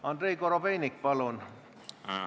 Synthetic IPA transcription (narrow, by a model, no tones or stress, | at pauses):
ɑnd̪ɾeikoɾopeinikpɑlon